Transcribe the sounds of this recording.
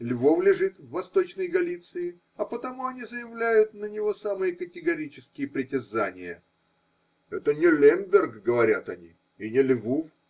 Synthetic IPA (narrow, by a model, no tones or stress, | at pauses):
lʲvovlʲɪʐɨt̪vːɐst̪o̞t͡ɕnəjɡɐlʲit̪sɨɪ | ɐpət̪ɐmuɐnʲizəjɪvlʲæjʊt̪nənʲɪvo̞samɨjəkətʲɪɡɐɾʲit͡ɕɪskʲɪjəpɾʲɪtʲɪzanʲɪjə | ɛt̪ənʲɪlʲembʲɪrɡɡəvɐɾʲat̪ɐnʲḭ | inʲɪlʲvof